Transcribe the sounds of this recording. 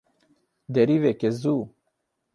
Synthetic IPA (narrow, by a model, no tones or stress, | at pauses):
d̪eɾivekezu